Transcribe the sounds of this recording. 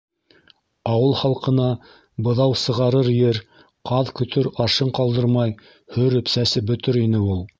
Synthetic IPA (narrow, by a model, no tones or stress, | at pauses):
ɑwɤlˠχɑlˠqɤ̆nɑ | bɤ̆ðɑwsɤ̆ʁɑɾɤɾjɘɾ | qʰɑðkɵ̆t̪ɵɾɑʃɤɴqɑlˠd̪ɤɾmɑj | hɵɾɵ̆psæsɘbɵ̆t̪ɵɾinɘulˠ